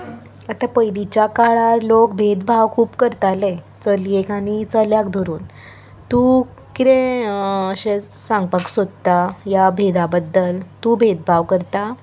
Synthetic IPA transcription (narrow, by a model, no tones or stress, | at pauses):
ət̪apəjlit͡ɕjakaɭaɾlokbʱet̪̚bʱaʋkʰuːpkəɾt̪ale | t͡səliekaɽ̃it͡səljakd̪ʱoɾuːn | t̪u | kit̪ẽəɕẽsãŋɡ̚pəksod̪̚t̪ajabʱed̪abəd̪ːəlt̪ubʱet̪̚bʱaʋkəɾt̪a